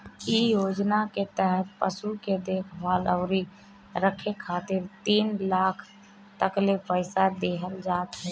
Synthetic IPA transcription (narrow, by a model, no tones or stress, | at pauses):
ijoːd͡ʒnaket̪əɦət̪̚pəsuked̪eːkʰʋaːləʊɾi | ɾəkʰekʰaːt̪ɪɾt̪iːnlaːkʰ | t̪əklepəɪsad̪eːɦəld͡ʒaːt̪ɦɛ̃